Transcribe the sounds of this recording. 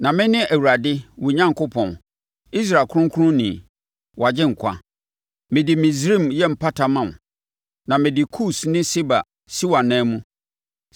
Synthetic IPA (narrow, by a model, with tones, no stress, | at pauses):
nã˨mɪ̃˦nɪ̃˦ʔæ˨wu˨ɾa˨dɪ˦wu˨ɲã˦ŋkʰʊ˦pʰɔ̰̃˨n | i˦s̬ɾa˨kʰʊ˦ʊ̃˦ŋ˦kʰu˦ɾʊ̃˦nĩ˨ | wa˨d͡ʑɪ˦ŋ̩˨kʰʷa̰˦ | mɪ̃˨dɪ˨mĩ˨sɾĩ˦˨mjɛ˦m̩˨pʰa˦tʰa˨mã˨n˨ | nã˨mɪ̃˨dɪ˨kʰu˦snɪ̃˦si˦ba̰˨ | si˦wã˨nɛ̃ː˦mũ˦